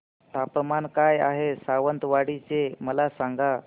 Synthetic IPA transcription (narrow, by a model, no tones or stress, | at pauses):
t̪apmankajaɦesaʋənt̪ʋaɽit͡seməlasaŋɡa